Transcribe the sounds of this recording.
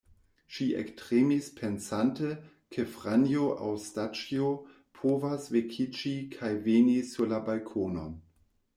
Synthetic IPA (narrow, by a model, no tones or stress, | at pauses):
ʃiʔḛktʁemispʰensante | kʰefʁanjoʔa̰wstat͡ʃio | pʰovasvekʰit͡ʃikʰajvenisuɾlabalkʰono